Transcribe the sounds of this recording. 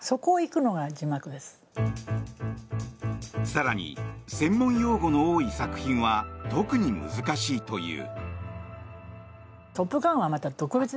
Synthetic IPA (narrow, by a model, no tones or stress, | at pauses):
so̞ko̞ːikɯ̟no̞ɡad͡ʑimakɯ̟d̪e̞sɨ̥ | saɾaɲ̟ḭsẽ̞mːõ̞ɰ̃jo̞ːɡo̞no̞oːisakɯ̟̥çĩɰ̃βat̪o̞kɯ̟ɲ̟imɯ̰zɨkaɕiːt̪o̞jɯ̟̰ː | t̪o̞pːɯ̟kãɰ̃β̞amat̪ad̪̥o̞kɯ̟bet͡sɨ